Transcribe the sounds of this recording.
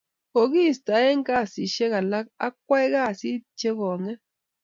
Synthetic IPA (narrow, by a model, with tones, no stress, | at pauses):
ko˨ɡi˦˨st̪a˨˦e˦ŋɡa˦˨si˨ʃe˦ɣa˨la˦ka̰˦k̚ʷa˦jɣa˦˨si˦t͡ʃe˦ɣo˨ŋe˦